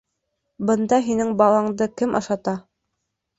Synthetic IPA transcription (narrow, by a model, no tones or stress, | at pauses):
bɤ̆nd̪ɑɦinɘŋbɑlˠɑɴd̪ɤkɘmʔɑ̰ʃɑt̪ɑ